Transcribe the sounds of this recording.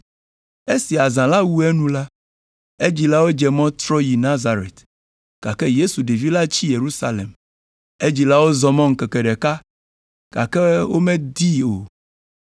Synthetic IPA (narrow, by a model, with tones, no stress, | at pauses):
e˦si˨a˨zã˨la˦wu˦ɛ˦nũ˦la˦ | e˦d͡ʑi˨la˦wo˦d͡ʒɛ˨mɔ̃˦t̪ɾɔ˦ji˨nã˦za˨ɾḛ˨t̪ | ka˨kɛ˦je˦su˨ɖe˨vi˦la˦t͡ɕi˦je˨ɾu˦sa˦lḛ˨m | e˦d͡ʑi˨la˦wo˦zɔ˨mɔ̃˦ŋ̩˨kɛ˨kɛ˨ɖɛ˨ka˦ | ka̰˨kɛ˦wo˦mẽ˦d̪i˦o˨